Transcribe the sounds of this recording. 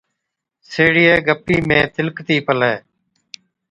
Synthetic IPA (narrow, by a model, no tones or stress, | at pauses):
seːɽɪːeːɡəpːiːmẽːt̪ɪlkt̪iːpəlɛː